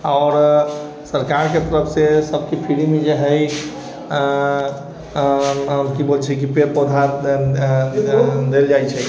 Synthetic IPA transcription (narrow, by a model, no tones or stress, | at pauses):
ɔːɾ | səɾkaɾket̪əɾəpʰsesəb̚ʱkipʰiɾimed͡ʒeɦəj | əmkibolt͡ʃʰɛkipeɾpod̪ʱa | d̪eld͡ʒajt͡ʃʰɛ